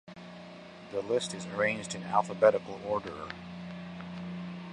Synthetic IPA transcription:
ðəlɪstɨzə˞ẽɪ̃nd͡ʒdɨ̃næ̰lˠfəbɛɾɨkl̩ˠɔɹɾə̰˞

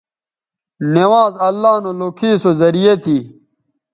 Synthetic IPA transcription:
newaːzɐlːaːnoloːkʰiːsozɐɾijet̪ʰiː

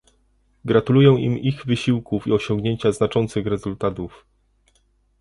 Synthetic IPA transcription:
ɡɾat̪ulujɛ̃w̃ʔḭmiɣvɘɕiwkufiɔɕɔŋɡɲeɲt͡ɕaznat͡ʂɔnt̪sɘɣɾɛzult̪at̪uf

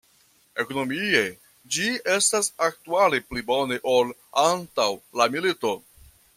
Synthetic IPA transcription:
e̞ko̞no̞mie̞ | d͡ʒie̞stasak̚tualeplibo̞ne̞ʔolantawlamilito̞

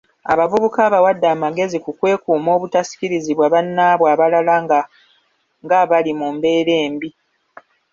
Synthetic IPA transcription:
a̰βavuβukaːβawadːaːmaɡe̞zikukwe̞ːkuːmo̞ːβutasi̥ciɾiziβwaβanːaːβwaːβalalaŋɡa | ŋɡaβalimuːmbe̞ːɾe̞ːmbi

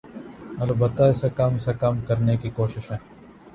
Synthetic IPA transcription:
ɐlbət̪ːaɪsekɐmsekɐmkɐɾnekikoːʃɪʃɦɛ̃ː

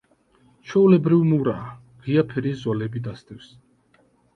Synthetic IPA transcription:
t͡ʃʰɛulɛbɾivmuɾaː | ʁiapʰɛɾizɔlɛbid̪ast̪ʼɛfs

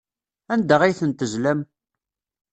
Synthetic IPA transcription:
ænd̪əʁijθənt̪əʒlæm

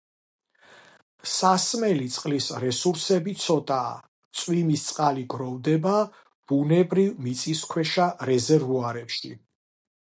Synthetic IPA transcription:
sasmɛlit̪sʼqʼlisɾɛsuɾsɛbit̪sʰɔt̪ʼaː | t̪sʼwimist̪sʼqʼaliɡɾɔvd̪ɛba | b̥unɛbɾivmit̪sʼiskʰwɛʃaɾɛzɛɾvuaɾɛpʃḭ

